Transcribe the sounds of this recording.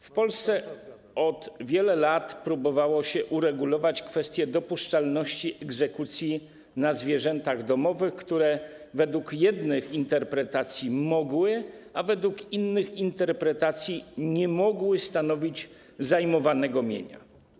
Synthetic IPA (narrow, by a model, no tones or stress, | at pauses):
fpɔlst̪sɛ | ɔd̪vʲjɛlɛlat̪pɾubɔvawɔɕɛʔuɾɛɡulɔvat͡ɕkfɛst̪ʲjɛd̪ɔpuʂt͡ʂalnɔɕt͡ɕiʔɛɡzɛkut̪sʲji | nazvʲjɛʐɛnt̪aɣd̪ɔmɔvɘxkt̪uɾɛ | vɛd̪wukjɛd̪nɘxint̪ɛɾpɾɛt̪at̪sʲjimɔɡwɘavɛd̪wukinːɘxint̪ɛɾpɾɛt̪at̪sʲjiɲɛmɔɡwɘst̪anɔvʲid͡ʑ | zajmɔvanɛɡɔmʲjḛɲa̰